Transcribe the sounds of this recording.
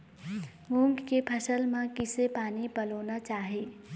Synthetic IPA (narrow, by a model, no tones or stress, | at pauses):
mũŋɡkepʰɐsəlmãkɪsepaːnipɐloːnat͡ʃaːɦeː